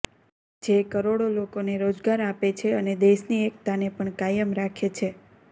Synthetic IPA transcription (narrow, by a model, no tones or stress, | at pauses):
d͡ʒekəɾoɽolokoneɾod͡ʒɡaɾapet͡ʃʰeəned̪eʃniek̚t̪anepəɳkajəmɾakʰet͡ʃʰe